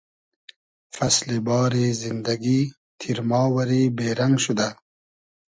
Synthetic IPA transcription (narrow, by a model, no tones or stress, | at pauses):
fɐslibɑːɾizind̪ɐɡi | t̪ʰiɾmɑːwɐɾiːbeːɾɐŋɡʃud̪a